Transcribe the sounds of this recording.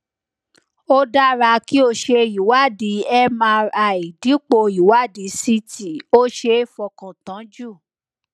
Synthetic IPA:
o˦da˦ɾa˧ki˦o˧ʃe˧ji˨wa˦˨di˨˦ɛ˦mã˧a˨i˨di˨˦k͡po˧ji˨wa˦˨di˨˦si˧ti˨o˦ʃe˧˦fɔ˧kã˨tã˨˦d͡ʒu˦˨

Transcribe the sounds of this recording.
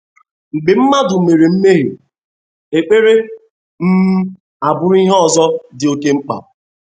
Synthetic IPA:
ŋ͡m̩˨ɡ͡bɪ˨m̩˦ma˦dʊ˨me˨ɾe˨m̩˦me˦ɦjo̰˨ | e˨k͡pe˦ɾe˦ | m̩˦m̩˦ | a˨bʊ˦ɾi˦ɦɔ˨zɔ˦dɪ˨o˦ke˦ŋ͡m̩˦k͡pa̰˨ʊ˨

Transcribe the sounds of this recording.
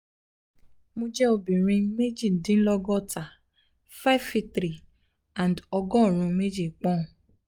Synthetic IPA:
mo˧d͡ʒɛ˦o˧bĩ˨ɾ̃ĩ˧me˦d͡ʒi˦˨dĩ˨˦n̩˦lɔ˦ɡɔ˦˨ta˨ | fa˦vfi˦tɾi˨ | ã˨ndɔ˧ɡɔ̃˦˨ɾ̃ũ˧me˦d͡ʒi˦˨k͡pɔ̃˦˨

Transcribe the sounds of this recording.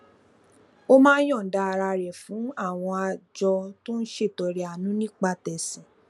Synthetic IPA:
o˦mãː˦j̃ɔ̃˦˨n̩˨da˧ɾa˧ɾɛ˨fũ˨˦a˦˨w̃ɔ̃˧a˧d͡ʒɔ˧to˦n̩˦ʃe˦˨tɔ˨ɾɛ˨a˨nũ˨˦nĩ˦k͡pa˧tɛ˨sĩ˨

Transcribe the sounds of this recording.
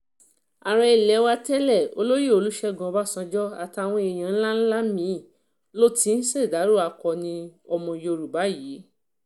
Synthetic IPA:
a˨ɾɛ˧i˨lɛ˨˧˦wa˧tɛ˦lɛ˦˨o̰˧lo˦jie˦˨o˧lu˦ʃɛ˦ɡɔ̃˧˦ba˦˨sã˧d͡ʒɔ˦a˨ta˨˧a˨w̃ɔ̃˧i˨j̃ã˧n̩˦la˦n̩˦la˦mĩ˨˦˨ | lo˦ti˨˦n̩˦se˦˨da˨˦ɾo˦˨a˧kɔ˧˨nĩ˧ɔ˧mɔ̃˧jo˧ɾu˨ba˨˦jiː˨˦

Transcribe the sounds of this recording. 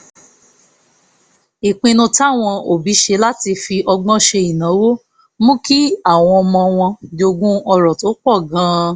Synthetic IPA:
i˨k͡pĩ˧nũ˧ta˦˨w̃ɔ̃˧o˨bi˨˦ʃe˧la˦ti˧fi˧ʔɔ˧ɡ͡bɔ̃˦ʃe˧i˨nã˨˦wo˦ | mũ˦ki˦a˦˨w̃ɔ̃˧ɔ˧mɔ̃˧w̃ɔ̃˧do˧ɡũ˦ɔ˧ɾɔ˨to˨˦k͡pɔ˦˨ɡã˨˦

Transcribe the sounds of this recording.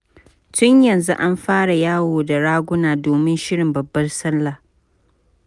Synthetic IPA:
tʊ˦ɲjɐ˨nzu˦ʔa˦mɸaː˦ɽa˨jaː˦woː˨da˨ɽaː˦ɡʷʊ˦naː˨doː˨mɪ˦nʃɪ˦ɽɪ˨mbɐ˨bːɐ˦rsɐ˦lːaː˨

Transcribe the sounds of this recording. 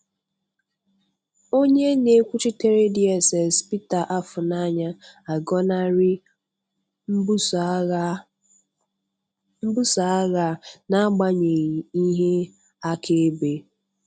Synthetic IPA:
o˦ɲe˦ne˨˦kʷu˦t͡ʃi˦te˦ɾe˦di˨e˨se˨spi˦ta˨ʔa˦fʊ˨na˦ɲa˦a˨ɡɔ˦na˦ɾɪ˦ | m̩˦ | m̩˦bu˦sa˨a˦ɣa˨na˦ɡ͡ba˦ɲe˨ɣi˨i˦ɦe˦ | a˦kʰe˦be˨

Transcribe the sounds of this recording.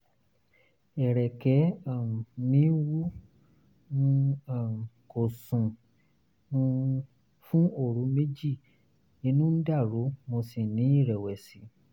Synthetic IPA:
ɛ˨ɾɛ˨kɛ˨˦a˦˨nĩ˨˦wu˦ | ũ˧a˦˨ko˨sũ˨ | ũ˧ | fũ˦o˦˨ɾũ˨˦me˦d͡ʒi˦˨ | i˧nũ˦n̩˦da˦˨ɾo˨˦mo˧si˨nĩ˨˦i˦˨ɾɛ˨wɛ˨si˨˦

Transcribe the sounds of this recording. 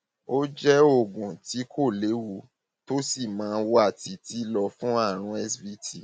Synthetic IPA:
o˦d͡ʒɛ˦o˦˨ɡũ˨ti˨˦kʰo˦˨le˨˦wu˧˦ | to˦si˦˨mãː˨˦˧wo˧˦a˦˨ti˧ti˨˦lɔ˧fũ˦a˦˨ɾ̃ũ˧˦ɛ˦svi˦ti˦˨

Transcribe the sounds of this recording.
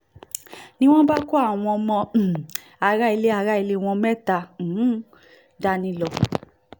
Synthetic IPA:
nĩ˦w̃ɔ̃˦ba˦ku˦a˦˨w̃ɔ̃˧mɔ̃˧˨ | a˧ɾa˦i˧le˦a˧ɾa˦i˧le˦˧w̃ɔ̃˧mɛ˦tã˧˨˦ | da˧˦nĩ˧lɔ˧

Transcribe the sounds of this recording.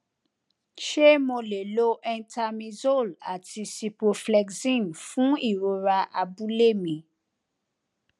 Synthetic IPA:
ʃe˦mõ˧le˨lo˦ʔɛ̃˧nta˧mĩ˧zo˦˨la˨ti˧si˧po˧flɛ˧ɡsĩ˦˨nfũ˦i˦˨ɾo˧ɾa˧ʔa˧bu˦le˦˨mĩ˨

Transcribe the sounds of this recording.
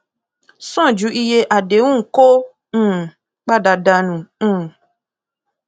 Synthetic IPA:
sɔ̃˦˨d͡ʒu˨˦i˦je˧ʔa˨de˨˦ŋũ˦ŋ̩˨˦kõ˦˨ | k͡pa˦˨da˨da˧nũ˨˦˨

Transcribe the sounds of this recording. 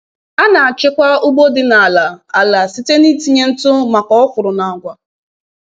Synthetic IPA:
a˦na˨a˨t͡ʃɪ˦kʷa˦ʊ˦ɡ͡bo˦dɪ˨na˨a˨la˨a˨la˨si˦te˦ni˦ti˦ɲe˦n̩˦tʊ˦ma˨kɔ˦ɔ˦fʊ˨ɾʊ˨na˨ɡʷa˨

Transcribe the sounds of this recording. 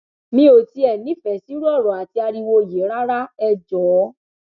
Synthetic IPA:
mĩ˧˦o˨ti˧ɛ˨nĩ˨˦fɛ˨si˨˦ɾɔ˦˨ɾɔ̃˨a˨ti˧a˧ɾi˧wo˧˨je˨˦ɾa˦ɾa˦ɛ˧d͡ʒɔ˨˦

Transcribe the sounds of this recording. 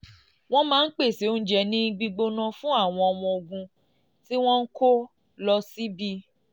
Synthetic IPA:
w̃ɔ̃˦mãː˦n̩˦k͡pe˦˨se˨˦o˦n̩˦d͡ʒɛ˧˨nĩ˦ɡ͡bi˧ɡ͡bo˧nã˧fũ˦a˦˨w̃ɔ̃˧ɔ˧w̃ɔ̃˧o˧˨ɡũ˧ | ti˦w̃ɔ̃˦n̩˦ko˦ | lɔ˧si˦bi˦

